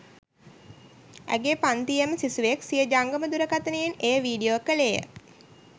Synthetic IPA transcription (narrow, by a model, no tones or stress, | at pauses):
æ̰ɡeːpant̪ijəməsisuʋeksijəd͡ʒaŋɡəməd̪uɾəkat̪ənejenejəʋiːɖioːkəlejə̰